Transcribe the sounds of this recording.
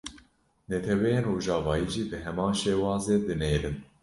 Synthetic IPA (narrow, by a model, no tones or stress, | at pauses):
nɛt̪ʰɛwɛjeːnroːʒɑːvɑːjiːʒiːbɨɦɛmɑːnʃeːwɑːzeːd̪ɨneːɾɨn